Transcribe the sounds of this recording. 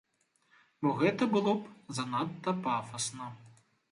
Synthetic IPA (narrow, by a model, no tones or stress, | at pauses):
bɔɣɛt̪ɐbɨlˠɔpzɐnat̪ːɐpafɐsnɐ